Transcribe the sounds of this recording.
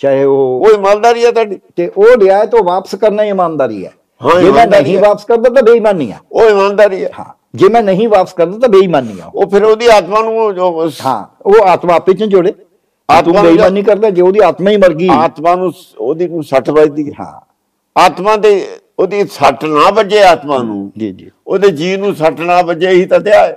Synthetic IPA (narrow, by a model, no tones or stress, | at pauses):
t͡ʃaːeːoːoːɪmãːnd̪aːɾiːɛːt̪aːɖiːt̪eːʔoːɾɪaːeːt̪eoːʋaːpə̥skəɾnaːimãːnd̪aːɾḭːɛ̰ː | ɦãd͡ʒeːmɛ̃ːnəĩːʋaːpəskəɾd̪aːt̪ãːbeːiːmãːnːḭːã̰ːoːɪmãːnd̪aːɾiːɛːhã̰ː | d͡ʒeːmɛ̃ːnəɦĩːʋaːpəskəɾd̪aːt̪ãːbeːiːmaːnːḭːã̰ːo̰oːpʰɪɾoːd̪iːaːt̪mãːnũːoɦã̰ːoːaːt̪mãːpɪt͡ʃːd͡ʒoɽeː | aːt̪ũːeiːmanːiːkəɾd̪aːd͡ʒeːoːd̪iːaːt̪maːiːməɾɡiːaːt̪mãːnũː | oːd̪iːnũːsəʈbaːid̪iːɦã̰ː | aːt̪mãːd̪eː | oːd̪iːsəʈnãːbəd͡ʒeːaːt̪mãːnṵ̃ːd͡ʒḭːd͡ʒiːoːd̪eːd͡ʒiːnũːsəʈnãːbəd͡ʒeːiːt̪ãːt̪ɪaːeː